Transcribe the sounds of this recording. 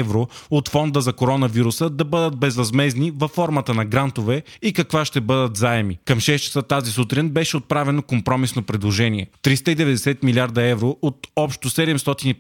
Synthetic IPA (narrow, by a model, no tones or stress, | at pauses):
vɾoot̪fɔnd̪əzɐkoɾɔnɐviɾusəd̪ɐbɤd̪ət̪̚bɛzɾɐzmɛznivɐfːɔɾmət̪ənɐɡɾant̪ovɛikɐkvaʃt̪ɛbɤd̪ət̪zaɛmikɐmʃɛst͡ʃɛ̥sət̪azisut̪ɾinbɛʃɛot̪̚pɾavɛnokompɾɔmisnopɾɛd̪lˠoʒɛniɛt̪ɾist̪əid̪ɛvɛd̪ɛsɛt̪miliaɾd̪ɐɛvɾoʔot̪ɔpʃt̪osɛd̪ɛmst̪ɔt̪ini